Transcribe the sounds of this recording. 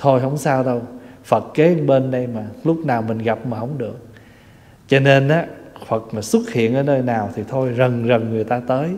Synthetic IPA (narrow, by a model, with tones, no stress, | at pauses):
t̪ʰo˧jɦə˧˩wŋ͡msaː˧wɗə˧wfə˨˩t̚ke˨˦˨ɓe˧nɗə˧jmaː˨˩lʊ˦˥k͡p̚naː˨˩wmï˨˩ŋ̟ɣa˨˩p̚maː˨˩ɦə˧wŋ͡mɗɨ˨˩ək̚ | t͡ɕɔ˧ne˧nʔaː˨˦fə˨˩t̚maː˨˩swə˦˥t̚hḭ˧˨ənʔəː˨˦jnəː˧jnaː˨˩wt̪ʰi˨˩t̪ʰo˧jzə˨˩ŋzə˨˩ŋːɨ˨˩əjt̪aː˧t̪əː˨˦j